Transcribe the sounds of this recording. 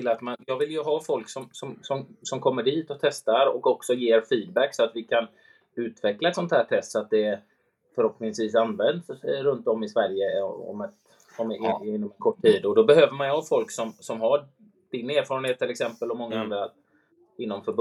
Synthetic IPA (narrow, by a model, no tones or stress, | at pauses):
ɪlːat̪manjɑːɡvɪljɵɦɑːfɔlksɔmsɔmsɔmsɔmkʰɔmːəɾɖiːt̪ɔt̪ʰɛst̪aɾɔ̰kɔksɔjeːɾfiːd̪bækːsɔat̪vɪkʰan | ʉ̟ːt̪vɛklaɛt̪sɔnt̪hæːʈʰɛst̪sɔat̪̚d̪ɛ | fœɾhɔpnɪŋsviːsanvɛnd̪sɾɵnt̪ɔmːɪsvæɾjəɔ̰mɛt̪ | ɔmɪnːɔmɛnkʰɔʈʰːiːd̪ɔd̪ɔbɛɦøːvəɾmanhafɔlksɔmsɔmɦa | d̥ɪneːɾfɑːɾənheːt̪ːɪlɛksɛmpəlɔmɔŋːaand̪ɾa | ɪnːɔmfœɾb